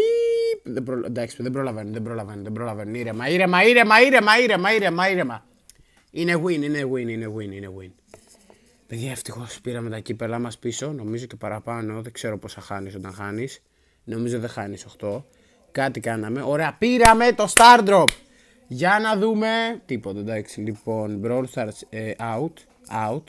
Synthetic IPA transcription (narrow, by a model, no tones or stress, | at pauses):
iðebɾoend̪ɐksi̥ðebɾo̞lɐvenunðebɾo̞lɐvenunðebɾolɐve̞nuniɾemɐiɾemɐiɾe̞mɐiɾe̞mɐiɾemɐiɾe̞mɐiɾe̞mɐ | ine̞ɣwinineɣinine̞ɣinine̞ɣwin | peðʝɐeft̪ixo̞spiɾɐme̞t̪ɐcipe̞lɐmɐspiso̞no̞mizo̞ce̞pɐɾɐpɐno̞ðe̞ɡ̥se̞ɾo̞posɐxɐniso̞t̪ɐnxɐnis | no̞mizoðe̞xɐnisoxt̪o̞ | kɐt̪ikɐnɐme̞ʔo̞ɾe̞ɐpiɾɐme̞t̪o̞st̪ɐɾd̪ɾop | ʝɐnɐðume̞t̪ipot̪ɐd̪ɐksilipo̞nbɾolst̪ɐɾseʔɐut̪ | ɐut̪